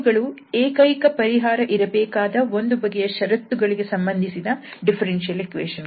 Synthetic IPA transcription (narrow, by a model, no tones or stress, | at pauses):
ɡɐɭueːkɐjkɐpɐɾiɦaːɾɐʔiɾɐbɛːkaːd̪ɐo̞nd̪ubɐɡejɐʃɐɾɐt̪ːuɡɐɭiɡe̞sɐmbɐnd̪ʱisid̪ɐɖipʰɐɾenʃɐlekʋeːʃɐn